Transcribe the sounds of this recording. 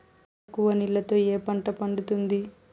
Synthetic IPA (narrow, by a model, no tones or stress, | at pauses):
kːuʋɐnilːɐt̪o̞ːeːpɐɳʈɐpɐɳɖut̪und̪i